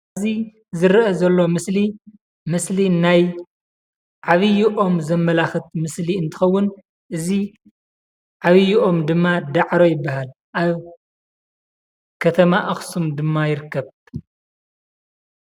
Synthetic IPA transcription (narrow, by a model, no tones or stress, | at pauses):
zi | zɨɾʔɐzɐlːo̞mɨsli | mɨslinaj | ʕaβɨjiʔo̞mzɐmːɐlaxɨt̪̚mɨsliɨnt̪ʰɨ̥xɐwːʊn | ʔɨzi | ʕaβɨjiʔo̞md̪ɨmːad̪aʕɾo̞jɪbːaɦal | ʔaβ | kʰɐt̪ʰɐmaʔɐxsumd̪ɨmːajɪɾɨkːɐβ